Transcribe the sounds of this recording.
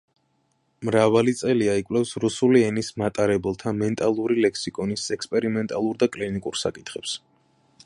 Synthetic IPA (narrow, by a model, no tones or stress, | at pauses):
mɾavalit̪sʼɛliaikʼwlɛfsɾusuliɛnismat̪ʼaɾɛbɛlˠt̪ʰamɛnt̪ʼalˠuɾilɛkʰsikʼɔnisɛkspʼɛɾimɛnt̪ʼalˠuɾd̪akʼlinikʼuɾsakʼit̪ʰχɛps